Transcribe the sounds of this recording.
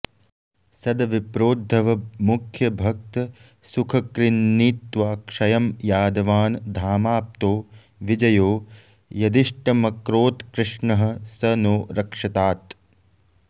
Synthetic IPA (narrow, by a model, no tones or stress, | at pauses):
sɐd̪ɐʋipɾoːd̪ʱːɐʋɐmukʰjɐbʱɐk̚t̪ɐ | sukʰɐkɾinːiːt̪ʋaːkʂɐjɐmjaːd̪ɐʋaːnd̪ʱaːmaːp̚t̪oː | ʋid͡ʒɐjoː | jɐd̪iʂʈɐmɐkɾoːt̪kɾɪʂɳɐɦɐ̆sɐnoːɾɐkʂɐt̪aːt̪